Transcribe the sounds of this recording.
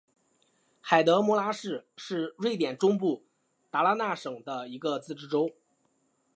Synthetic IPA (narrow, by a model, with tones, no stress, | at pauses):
xa˨˩ɪt̪ɤ˧˥mwɔ˧˥la˥ʂɻ̩˥˧ʂɻ̩˥˧ɻwe˥˩ɪt̪jɛ˨˩nʈ͡ʂʊ˥ŋp̬u˥˩ | t̪a˧˥la˥na˥˩ʂɤ˨˩ŋd̪ə˦i˧˥ɡə˧t͡sɹ̩˥˩ʈ͡ʂɻ̩˥ʈ͡ʂo˥ʊ